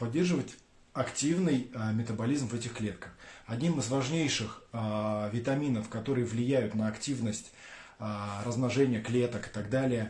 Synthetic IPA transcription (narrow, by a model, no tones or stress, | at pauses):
pɐdʲːe̞rʐɨvətʲ | ɐktʲivnɨjmʲɪt̪əbɐlʲizmvɛtʲɪxklʲe̞t̪̚kəxɐdʲnʲimɨzvɐʐnʲejʂɨx | vʲɪt̪ɐmʲinəfkɐt̪o̞ɾɨjəvlʲɪjæjʊt̪nəɐktʲivnəsʲtʲː | ɾəzmnɐʐɛnʲɪjəklʲe̞t̪əkɨ̥t̪ɐɡd̪alʲɪjə